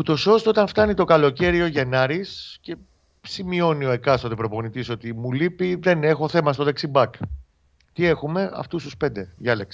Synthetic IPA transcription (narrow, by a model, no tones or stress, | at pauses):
ut̪o̞so̞st̪oot̪ɐnft̪ɐnit̪o̞kɐlo̞ce̞ɾio̞ʝe̞nɐɾisce̞ | simio̞nio̞e̞kɐst̪ot̪epɾo̞po̞nit̪iso̞t̪imulipiðe̞ne̞xo̞θe̞mɐst̪oðeksibɐk | t̪ie̞xume̞ɐ̰ft̪ust̪uspe̞nd̪e̞ʝɐleksi̥